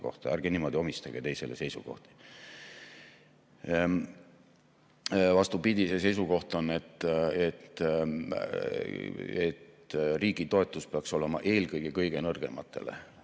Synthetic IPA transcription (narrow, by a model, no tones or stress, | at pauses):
ko̞̰ht̪ɑæɾɡenimo̞d̪io̞mist̪ɑɡ̥et̪e̞jse̞̰le̞se̞jsuko̞̰ht̪i̥ | vɑst̪upid̪ʲise̞se̞js̬uko̞ht̪o̞nːe̞t̪ˑːet̪ː | et̪ | riːɡ̥it̪o̞e̞t̪ˑːuspeɑkso̞le̞mɑ̰ʔe̞ːlkɤjɡ̥ekɤjɡ̥enɤrɡ̥e̞̰mɑ̰t̪ːˑe̞̰lḛ